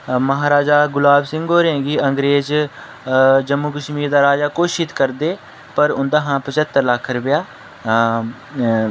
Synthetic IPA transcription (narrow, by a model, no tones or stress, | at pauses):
məɦaːɾaːd͡ʒaːɡʊlaːbsɪŋɡɦoːɾẽːɡiːəŋɡɾeːz | d͡ʒəmːuːkəʃmiːɾd̪aːɾaːd͡ʒaːkoːʃɪt̪kəɾd̪eː | pəɾʊnd̪aːɦãːpət͡ʃət̪ːəɾlakʰːɾəbɪjaː